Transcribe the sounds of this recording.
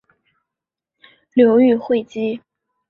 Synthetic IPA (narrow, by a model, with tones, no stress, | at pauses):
ljo˧˥ʊy˥˧xwe˥˩ɪt͡ɕi˥